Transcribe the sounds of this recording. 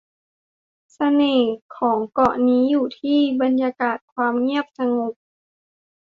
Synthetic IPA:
sa˧neː˧˩kʰɔː˩˦ŋkɔ˧˩niː˨˦˥juː˨˩t̪ʰiː˥˩˨ba˧njaː˧kaː˨˩t̪̚kʰwaː˧mŋi˥˩əp̚sa˧ŋo˨˩˦p̚

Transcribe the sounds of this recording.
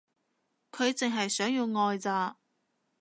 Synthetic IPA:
kʰɵ˨˧ɥt͡sɪ˨ŋɦɐ˨jsœː˨˥ŋjiː˧wŋɔː˧jt͡saː˧

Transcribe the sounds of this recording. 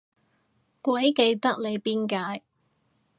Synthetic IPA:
kʷɐ˨˥jke˧jt̪ɐ˥k̚le˨˧jpiː˥nkaː˧j

